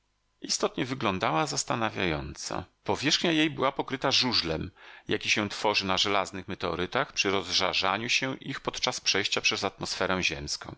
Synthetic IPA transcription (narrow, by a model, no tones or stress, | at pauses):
ʔist̪ɔt̪ɲɛvɘɡlɔnd̪awazast̪anavʲjajɔnt̪sa̰pɔvʲjɛʂxɲajejbɘwapɔkɾɘt̪aʐuʐlɛmjakʲiɕɛ̃t̪fɔʐɘnaʐɛlaznɘxmɛt̪ɛɔ̰ɾɘt̪axpʂɘɾɔzʐaʐaɲuɕɛʔixpɔt̪t͡ʂaspʂɛjɕt͡ɕapʂɛzat̪mɔsfɛɾɛw̃ʑɛmskɔ̰̃w̃